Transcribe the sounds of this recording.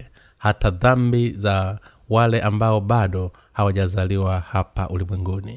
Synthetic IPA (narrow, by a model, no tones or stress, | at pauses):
hataðambiza | walɛʔambaɔbaɗɔ | hawaʄazaliwahapa̰ʔulimwɛŋɡuni